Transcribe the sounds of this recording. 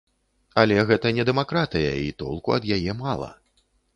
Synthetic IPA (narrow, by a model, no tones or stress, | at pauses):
ɐlʲɛɣɛt̪ɐnʲɛd̪ɛmakɾat̪ɨjɐ̰it̪ɔ̰lˠkuɐ̰d̪jajɛmalˠɐ̰